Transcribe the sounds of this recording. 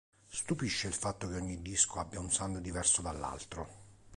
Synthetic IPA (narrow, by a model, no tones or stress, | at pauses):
st̪upiʃːeilfat̪ːok̟eɔɲːid̪ːiskoabːjaunsand̪d̪ivɛrsod̪alːa̰lt̪ɾo